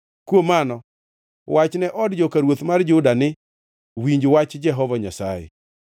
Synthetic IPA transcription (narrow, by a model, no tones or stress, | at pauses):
kwomanɔ | wat͡ʃnɛʔɔdd͡ʒokaɾwot̪mard͡ʒʊdanɪ | wiɲd͡ʒwat͡ʃd͡ʒɛɦɔvaɲasa̰jɛ̰